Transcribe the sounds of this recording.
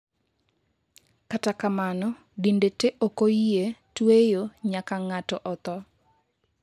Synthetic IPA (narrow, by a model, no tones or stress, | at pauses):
katakamanɔ | dindeteʔokojetwejoɲakaŋatɔʔɔt̪ɔ